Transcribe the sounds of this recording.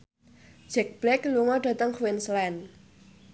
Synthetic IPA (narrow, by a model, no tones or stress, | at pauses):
d͡ʒɛk̚b̥lɛkluŋɔɖ̥a̤t̪əŋkuwɪnslɛn